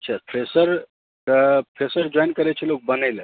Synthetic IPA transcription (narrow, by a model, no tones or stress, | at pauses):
ətːt͡ʃʰapʰɾesəɾ | pʰesəɾd͡ʒɔjnkəɾɛt͡ʃʰɛlok̚bənəlẽ